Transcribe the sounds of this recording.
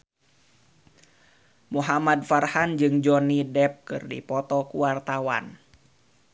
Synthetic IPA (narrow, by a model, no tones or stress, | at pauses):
muɦamad̚farhand͡ʒɨŋd͡ʒɔnidɛp̚kɨ̰rdḭpɔt̪ɔkuwart̪awa̰n